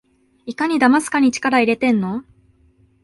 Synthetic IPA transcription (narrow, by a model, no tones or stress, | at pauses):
ikaɲ̟id̪amasɨ̥kaɲ̟it͡ɕi̥kaɾaiɾe̞t̪ẽ̞nːo̞